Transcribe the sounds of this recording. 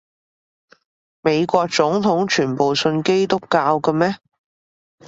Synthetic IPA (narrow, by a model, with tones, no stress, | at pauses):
me˨˧jkʷɔː˧k̚t͡sʊ˨˥ŋt̪ʰʊ˨˥ŋt͡ʃʰyː˨˩npo˨wsɵ˧nke˥jt̪ʊ˥kːaː˧wkɐ˧mɛː˥